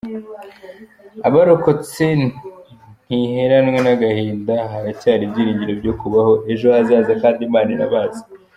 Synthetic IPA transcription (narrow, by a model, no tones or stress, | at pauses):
aβaɾoko̞t͡se̞ | n̥ihe̞ɾanwe̞naɡaheːndaɦaɾacaːɾibɟiːɾiːɲɟiɾo̞bɟo̞kuβaho̞ʔe̞ʒo̞azaːzakaːndimaːniɾa̰βaːzḁ